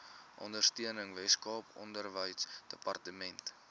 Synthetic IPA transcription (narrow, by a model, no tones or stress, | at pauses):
ʔɔ̰ndərstiənəŋvɛskɑːpɔ̰ndərvəjsd̥əpɐrtəmɛnt